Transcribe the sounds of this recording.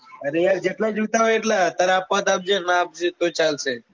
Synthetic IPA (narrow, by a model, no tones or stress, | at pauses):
əɾejaɾd͡ʒeʈlad͡ʒot̪aɦojeʈlat̪aɾapʋat̪ap̚d͡ʒenaːp̚d͡ʒet̪ot͡ʃalʃe